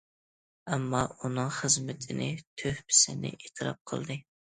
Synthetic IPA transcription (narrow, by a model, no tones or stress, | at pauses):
ɛmːɑunɨŋχəzmɪt̪ʰɪnɪt̪ʰøhpɪ̥sɪnɪ̰ʔet̪ʰɨɾɑ̰p̚qʰə̰lˠd̪ɨ